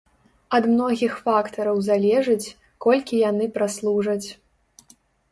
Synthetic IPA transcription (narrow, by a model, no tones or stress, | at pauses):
ɐd̪mnɔɣʲixfakt̪ɐɾɐwzalʲɛʐɐt͡sʲ | kɔlʲkʲijanɨpɾaslˠuʐɐt͡sʲ